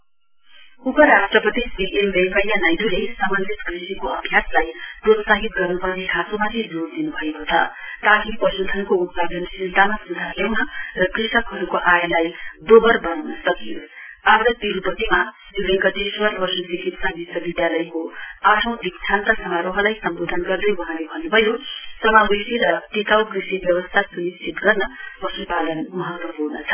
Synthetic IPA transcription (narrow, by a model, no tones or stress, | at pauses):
ukʌɾasʈrʌpʌt̪isbiʔembekʌjjanajd̪ulesamʌnd̪ʱit̪krisikoʌbʱjaslajprot̪saɦit̪̚ɡʌrnupʌrnikʰasomat̪ʰid͡zoɽd̪inubʱʌekot͡sʰʌ̰t̪aɦipʌsud̪ʰʱʌnkout̪̚pad̪ʌnsilt̪amasud̪ʱakʰewmarʌkrisʌkɦʌɾukoʔajlajd̪obʌrbʌnawnʌsʌkijoamɽʌt̪iɾupʌt̪ima | d͡zibeɡʌt̪eswʌɾbʌsʌt͡sikit̪sabisʌbid̪jalʌjkoaʈʰʌ̃w̃d̪ik̚t͡sʰant̪ʌsʌmaɾoɦʌlajsʌmbod̪ʱʌnɡʌrd̪ʌjwʌ̃ɦãlebʱʌnːubʱʌjosʌmabesiɾʌt̪it̪awkrisibjʌbʌst̪ʰasunist͡sʰit̪ɡʌrnʌpʌsupalʌnmʌɦʌt̪wʌpurnʌt͡sʰʌ̥